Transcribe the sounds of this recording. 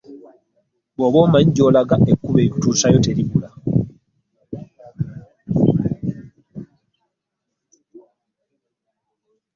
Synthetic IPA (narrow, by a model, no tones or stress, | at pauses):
βoβoːmaɲɟoːlaɡaʔekːuβeutuːsajoteɾiβula